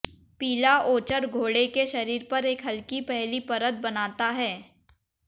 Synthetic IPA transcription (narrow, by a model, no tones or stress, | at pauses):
piːlaʔoːt͡ʃəɾɡʱoːɽekeʃɐɾiːɾpɐɾeːkɦɐlkipɛɦlipɐɾəd̪̚bɐnaːt̪aɦɛː